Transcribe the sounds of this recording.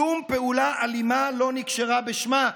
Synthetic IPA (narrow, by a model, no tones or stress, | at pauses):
umpeulaʔalimalo̞nikʃeʁabeʃma